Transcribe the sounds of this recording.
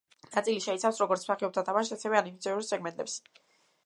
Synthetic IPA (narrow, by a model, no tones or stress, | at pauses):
nat̪sʼiliʃɛit̪sʰafsɾɔɡɔɾt̪sʰpaχɛɔb̚t̪ʰad̪ʰamaʃt̪asɛvɛanipt̪sʰɛuɾisɛkʰmɛnt̪ʼɛps